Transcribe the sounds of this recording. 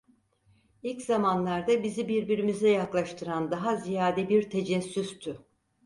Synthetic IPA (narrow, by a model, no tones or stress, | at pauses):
ilʲczamanlˠaɾd̪abizibiɾbiɾimizɛjaklˠaʃt̪ʰɯɾand̪aɦazijaːd̪ɛbiɾt̪ʰe̞d͡ʒɛsːyst̪ʰʊ